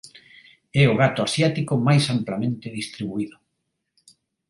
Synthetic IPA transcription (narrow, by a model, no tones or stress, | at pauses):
ɛʊɣat̪ʊasjat̪ikʊmajsamplamẽnt̪ɪðist̪ɾiβuiðʊ